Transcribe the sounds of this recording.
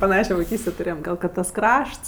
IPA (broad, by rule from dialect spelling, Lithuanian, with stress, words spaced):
pɐˈnɑːʃʲoː ʋɐɪˈkʲiːsʲtʲeː tʊˈrʲeːjɛm ˈɡɐlˠ kɐt tɐs ˈkrɐʃts